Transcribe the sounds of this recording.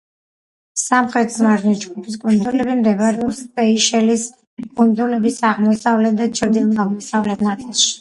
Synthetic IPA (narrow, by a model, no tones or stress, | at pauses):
samχɾɛt̪ʰzmaɾnid͡ʒɡupʰiskʼund̪zulɛbimd̪ɛbaɾɛɔpspɛiʃɛlis | kʼund̪zulɛbisaʁmɔsavlɛt̪̚ʰd̪at͡ʃʰəɾd̪ilˠk̪ʰaʁmɔsavlɛt̪ʰnat̪sʼilˠʃi̥